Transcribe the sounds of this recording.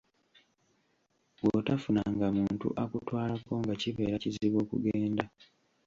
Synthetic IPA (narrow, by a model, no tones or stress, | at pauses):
wotafunaŋɡamuːntṵʔakutwaːlako̞ŋɡaciβe̞ːɾaciziβo̞ːkṵɡeːnda